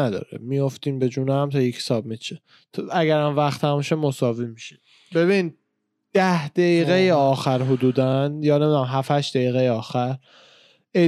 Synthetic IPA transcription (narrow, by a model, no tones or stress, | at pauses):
æd̪ɒ̰ːɾḛmijoft̪iːmbe̞d͡ʒuːnæmt̪ʰɒːjecʰsɒːbmit͡ʃʰe | t̪ʰæɡæɾæmvæxt̪ʰæmʃemːosɒːvimiʃi | be̞βin | d̪̥æhd̪̥æiɣejeɒːxæɾɦod̪uːd̪ænjɒːne̞mid̪unæmɦæfhæʃd̪̥æiːɣejeɒːxæɾ | e